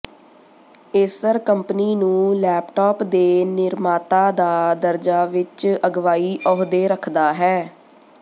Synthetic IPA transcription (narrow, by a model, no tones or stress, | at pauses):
ɪːsəɾkəmpniːnũːlɛːpʈɔːpd̪eːnɪɾmaːt̪aːd̪aːd̪əɾd͡ʒaːʋɪt͡ʃəɡʋaːiːʔɔːɦd̪eːɾəkʰd̪aːɦɛː